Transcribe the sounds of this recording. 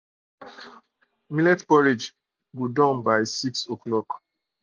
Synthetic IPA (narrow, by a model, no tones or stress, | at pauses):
milɛtkɔɹed͡ʒ | ɡudɔ̃nbaɪsiksoklɔk